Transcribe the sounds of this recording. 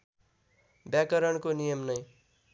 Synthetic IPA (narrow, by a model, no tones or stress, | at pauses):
bjakʌɾʌɳkonijʌmnʌj